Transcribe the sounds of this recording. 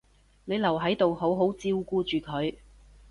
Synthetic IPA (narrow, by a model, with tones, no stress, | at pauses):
ne˨˧jlɐ˨˩wɦɐ˨˥jt̪o˨who˨˥wɦo˨˥wt͡siː˧˥wkuː˧t͡ʃyː˨kʰɵ˨˧ɥ